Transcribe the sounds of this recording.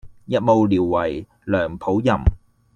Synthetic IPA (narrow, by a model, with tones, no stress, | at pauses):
jɐ˨t̚mo˨˧wliː˨˩wːɐ˨˩j | lœː˨˩ŋpʰo˨˥wjɐ˨˩m